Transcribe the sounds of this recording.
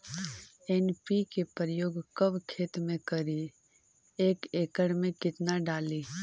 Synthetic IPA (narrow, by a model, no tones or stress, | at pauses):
ɛnpikepɾəjoːɡkəbkʰeːt̪mẽkəɾi | eːkeːkəɽmẽkɪt̪naɖaːliː